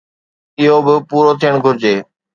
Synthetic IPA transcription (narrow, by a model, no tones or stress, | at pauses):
ɪɦobɪpuːɾot̪ʰijəɽ̃ɡʱʊɾɪd͡ʑeː